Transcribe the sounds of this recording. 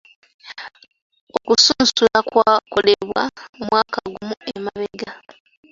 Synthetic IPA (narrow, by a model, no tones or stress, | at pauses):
okusuːnsulakwaːko̞leβwa̰mumwaːkaɡumuemaβeɡa